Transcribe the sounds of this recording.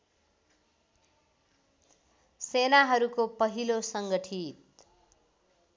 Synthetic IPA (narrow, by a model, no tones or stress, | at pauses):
senaɦʌɾukopʌɦilosʌŋɡʌʈʰit̪̚